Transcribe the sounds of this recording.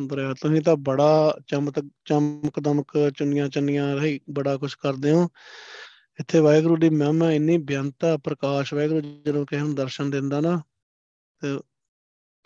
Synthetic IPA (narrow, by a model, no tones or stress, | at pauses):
nd̪əɾɛt̪ʊsĩːt̪̬ãːbəɽaːt͡ʃəmt̪t͡ʃəməkd̪əməkt͡ʃənɪjãːt͡ʃənɪjãːɾəɦiːbəɽaːkʊt͡ʃʰkəɾd̪eːɦõː | ɪt̪ʰːeːʋaːjɡɾuːɖiːmɛ̃ːmɛ̃ːɪnːiːbʱjaːnt̪aːpɾəkaːʃʋaːɡɾuːd͡ʒənõːkɪũːd̪əɾʃənd̪ɪ̃nd̪aːnaː | t̪eː